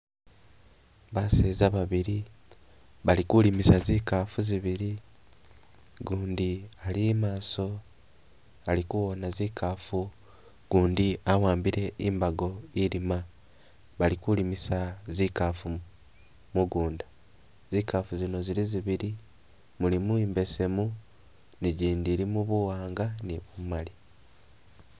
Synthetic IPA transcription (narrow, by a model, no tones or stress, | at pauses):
βaseːzaβaβiɾi | βalikulimisaziːkaːfuziβiɾi | ɡuːndialiemaːso̞ | alikuwo̞naziːkʰaːfu | ɡ̥uːndiawaːmbiɾe̞ʔimbaɡo̞iɾima | βalikulimisazikafu | muɡuːnda | zikafuzino̞ziɾiziβiɾi | mulimuiːmbe̞se̞mu | niɟiːndiɾimuβuwaːŋɡanimumali